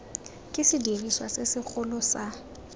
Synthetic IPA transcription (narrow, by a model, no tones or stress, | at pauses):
kʼɪsɪdiriswasɪsɪk͡xʰʊlɔsa